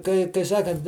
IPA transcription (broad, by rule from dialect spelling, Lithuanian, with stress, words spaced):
kɐɪ kɐɪ ˈsɑːkɐnt